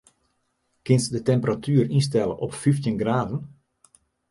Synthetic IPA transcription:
kɪnsdətɛmpəratʰyːəɾinstɛlˠə̰ʔɔpfiftjənɡraːvən

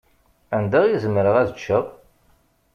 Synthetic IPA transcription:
ænd̪æʁjizəmːɾəʁæðət͡ʃːəʁ

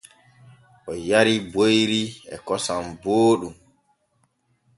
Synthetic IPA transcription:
ʔɔjaɾibojɾiɛ̰kɔsamboːɗum

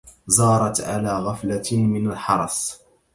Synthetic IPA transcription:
zɑːɾˤɑt̪ʕa̰laːɣaflamɪnalħɑɾˤɑ̰sˤ

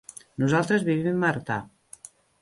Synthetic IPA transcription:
nuzalˠt̪ɾəzβiβimːaɾt̪a̰

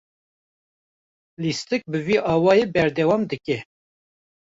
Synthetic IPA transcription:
list̪ɨk̚bɨviːʔɑːwɑːjeːbɛɾd̪ɛwɑːmd̪ɨkɛ

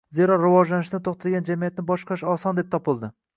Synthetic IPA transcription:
zeɾɒɾɪvɒʒlanɪʃnɪt̪ʰoχt̪ʰad̪ɡʲand͡ʒamijat̪̚nɪbɒʃqʰɑʃɒsɒnd̪ep̚t̪ʰɒpɪlˠd̪ɪ

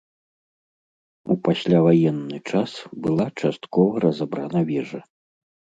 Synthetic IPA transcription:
upasʲlʲavajɛnːɨt͡ʂasbɨlˠat͡ʂast̪kɔvɐɾɐzabɾanɐvʲɛʐɐ

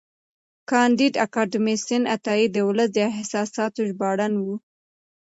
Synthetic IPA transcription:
kɑnd̪id̪akɑɖɪmɪsɪnat̪ɑid̪əʊləs̬d̪əɪhsɑsɑt̪oʒbɑɽanwu

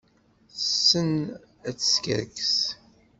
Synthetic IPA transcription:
θəsːən | æt͡sːə̥skə̰ɾkə̥s

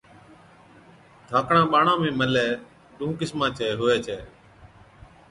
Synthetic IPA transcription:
d̪ʱaːkɳãːɓaːɳãːmẽːməleː | ɗũːkɪsmãːt͡ʃʰeːɦʊʋeːt͡ʃʰeː

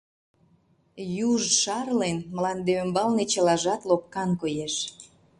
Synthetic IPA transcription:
juʒʃɑrlenməlɑnd̪eømbɑlnet͡ɕəlɑʒɑt̪lop̚kɑnkojeʃ

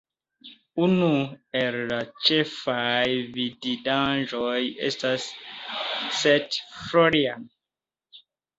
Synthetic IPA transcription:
unuɛɾɾat͡ʃɛfajvididãnʒɔjɛ̰stas | sɛtfloɾiam

